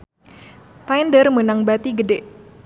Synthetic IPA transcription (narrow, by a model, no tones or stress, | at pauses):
t̪ajndərmənaŋbat̪iɡədɛʔ